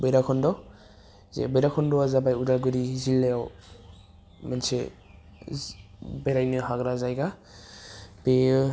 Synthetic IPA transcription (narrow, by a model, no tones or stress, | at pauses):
bɔjɾakʰɔndɔ | zḛbɔjɾakʰɔndɔazabajudalɡɯɾizilːejaw | manse | bejɾajnɯɦaɡɾazajɡa | pe